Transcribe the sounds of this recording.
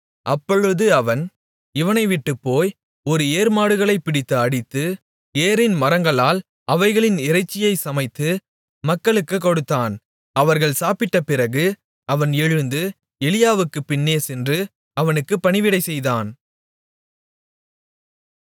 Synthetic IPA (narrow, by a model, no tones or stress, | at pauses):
ʔɐpːɔɻɯðɯɐʋɐn | ɪʋɐnɐɪʋɪʈːɯpːoːj | ɔɾɯeːɾmaːɽɯɣɐɭɐɪpɪɽɪt̪ːɯɐɽɪt̪ːɯ | eːɾɪnmɐɾɐŋɡɐɭaːl | ʔɐʋɐɪɣɐɭɪnɪɾɐɪt͡ʃːɪjɐɪsɐmɐɪt̪ːɯ | mɐkːɐɭɯkːɯkːɔɽɯt̪ːaːn | ɐʋɐɾɣɐɭsaːpɪʈːɐpɪrɐɣɯ | ɐʋɐnɛɻɯnd̪ɯ | ɛɭɪjaːʋɯkːɯpːɪnːeːsɛndrɯ | ɐʋɐnɯkːɯpːɐnɪʋɪɽɐɪsɛjðaːn